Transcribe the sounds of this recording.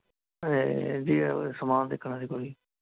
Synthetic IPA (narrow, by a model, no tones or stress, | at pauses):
ed͡ʒḭːsəmaːnd̪ekʰːɳãːd̪iːkoɽiː